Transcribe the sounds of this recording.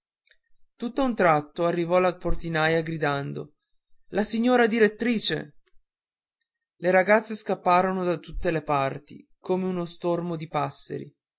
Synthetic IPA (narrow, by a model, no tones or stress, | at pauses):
t̪ut̪ːaunt̪ɾat̪ːoarːivɔlaport̪inajaɡɾid̪and̪o̰ | lasiɲːoːɾad̪iɾet̪ːɾiːt͡ʃḛ | leɾaɡat̪sːeskapːaːɾonod̪at̪ut̪ːelepart̪ḭkoːmeunost̪ormod̪ipasːḛɾḭ